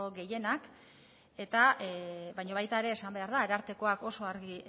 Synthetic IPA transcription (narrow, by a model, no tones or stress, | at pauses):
oɣe̞je̞nak | e̞t̪aβajɲo̞β̞ajt̪ae̞ɾe̞ːsambe̞aɾðaːɾaɾt̪e̞ko̞ako̞so̞aɾɣi